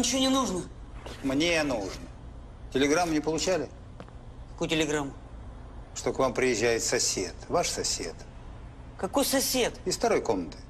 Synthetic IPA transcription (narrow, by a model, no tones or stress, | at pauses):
nʲɪt͡ɕɪvonʲɪnuʐnəmnʲenuʐn | tʲɪlʲɪɡɾamːnʲɪpəlˠʊt͡ɕælʲɪ | kɐ̥kojtʲɪlʲɪɡɾamːʊ | ʂt̪o̞kvampɾʲɪjɪʒːæjɪt̪sɐsʲet̪vaʂsɐsʲḛt̪ | kɐko̞jsɐsʲe̞t̪ɪsft̪ɐɾo̞jko̞mnət̪ɨ̥